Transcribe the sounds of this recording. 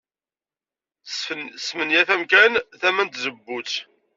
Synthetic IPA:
sːmənjæθæmkænθæmænt̪zəbːut͡s

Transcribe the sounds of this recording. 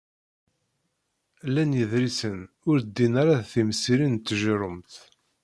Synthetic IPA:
lænjəðɾisən | ʊɾd̪ːinaɾaðθimsiɾint̪ːəʒɾəmt̪

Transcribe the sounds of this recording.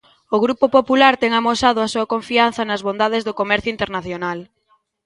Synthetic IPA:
oɣɾupopopulaɾt̪ɛŋamosaðʊasuɐkoɱfian̟θɐnɐzβond̪aðɪzðokomɛɾθjoint̪eɾnaθjonal

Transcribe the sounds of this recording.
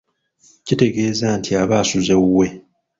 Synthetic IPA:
cite̞ɡe̞ːzantʰiaβaːsuze̞uwe̞

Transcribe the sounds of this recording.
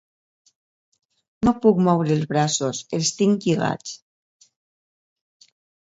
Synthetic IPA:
nopuk̚mɔwɾeːlzβɾasoselˠst̪iŋʎiɣa̰t͡s

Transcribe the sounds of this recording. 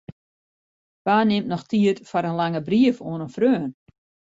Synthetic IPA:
ʋaːnɪmtnɔxtʰiətfɔɾənlaŋəbriəfoənənfrøːn

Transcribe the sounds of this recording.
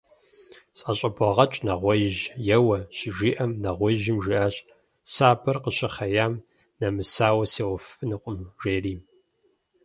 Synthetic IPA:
sʼɐɕʼɐbʷɐʁɐt͡ʃʼnɐʁʷɔjʒjɛwɐɕɪʒiːʔɐmnɐʁʷɔjʒɪmʒiːʔaːɕ | saːbɐrqəɕɪχɐjaːm | nɐmɨsaːwɐseːwɔfɨnɨqʷʼʊmʒeːriː

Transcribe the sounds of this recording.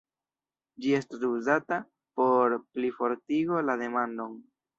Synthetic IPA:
d͡ʒie̞stasuzata | po̞ɾplifo̞ɾtiɡo̞lade̞mando̞n

